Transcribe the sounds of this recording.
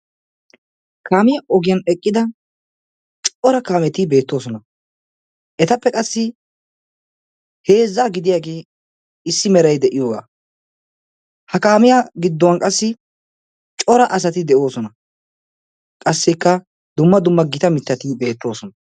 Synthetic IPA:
kaːmɪjɐʔɔɡɪjɐnɛkʼːɪd̪ɐ | t͡ʃʼɔɾɐkaːmɛt̪ɪbe̞ːt̪ːo̞ːsɔnɐ | ʔɛt̪ɐpːɛkʼɐsːɪ | he̞ːzːaːɡɪd̪ɪjaːɡeː | ɪsːɪmɛɾɐjd̪ɛʔɪjo̞ːɡa̰ː | hɐkaːmɪjaɡɪd̪ːɔwɐnkʼɐsːɪ | t͡ʃʼɔɾɐʔɐs̬ɐt̪ɪd̪ɛʔo̞ːsɔnɐ | kʼɐsːɛkːɐ | d̪ʊmːɐd̪ʊmːɐɡɪt̪ɐmɪt̪ːɐt̪ibe̞ːt̪ːo̞ːsɔnɐ

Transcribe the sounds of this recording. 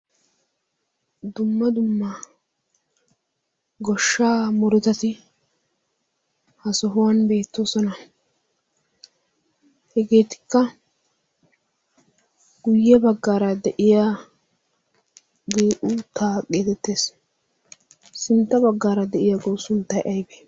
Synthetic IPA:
d̪ʊmːɐd̪ʊmːa | ɡɔʃːaːmɔɾʊt̪ɐt̪ɪ | hɐsɔɦʊwɐnbe̞ːt̪ːoːsɔnɐ | hɛɡe̞ːt̪ɪ̥kːɐ | ɡʊjːɛbɐɡːaːɾɐd̪ɛʔɪjaː | ɡiːʔut̪ːaːɡe̞ːt̪ɛt̪ːe̞ːs | sɪnt̪ːɐbɐɡːaːɾɐd̪ɛʔɪjaɡowsʊnt̪ːɐjʔɐjbeː

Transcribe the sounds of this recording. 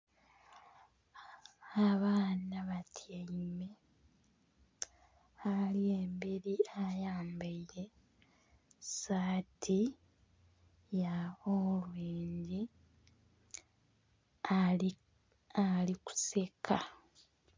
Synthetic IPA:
aβaːnaβatʰjaime̞ | alie̞ːmbeɾiajaːmbaiɾe̞ | saːtʰi | jaolwiːɲɟi | aliku̥se̞kʰa

